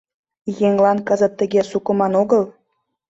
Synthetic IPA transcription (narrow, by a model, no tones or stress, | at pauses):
jeŋlɑnkə̆zə̆t̪ːə̆ɣesukə̆mɑnoɣəl